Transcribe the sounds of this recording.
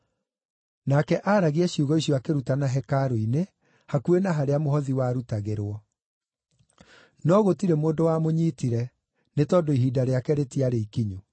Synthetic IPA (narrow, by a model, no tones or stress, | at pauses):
nakɛʔaːɾaɣeɛɕjuɣɔiɕjɔakeɾutanaɦɛkaɾoine | hakuenaɦaɾeamoɦɔðiwaːɾutaɣeɾwɔ | nɔɣotiɾemoːndowamoɲiːtiɾɛ | netɔːdoiɦidaɾeakɛɾetiaɾeikiɲu